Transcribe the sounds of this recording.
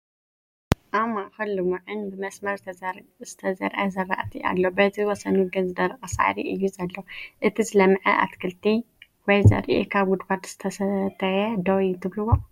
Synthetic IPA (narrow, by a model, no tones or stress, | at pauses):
ʔamːaxɐlːɨmuʕɨnbɨmɐsmɐɾzt̪ʰzɨt̪ʰɐzɐɾʔazɐra̰ʔt̪ʰia̰lːobɐt̪ʰiwɔsɐnuɡɐnzɨd̪ɐɾʔʼɐsa̰ʕ̰ɾiʔɨjːuzɐlːoʔɨt̪ʰizɨlɐmʕɐ̰ʔa̰t̪kʰɐlt̪ʰi | wɔjzɐ̰ɾʔḭkʰaβɡud̪baɾt̪z̥ɨt̪ʰɐsɐt̪ʰɐjɐd̪ɐwt̪ʰɨβlɨwo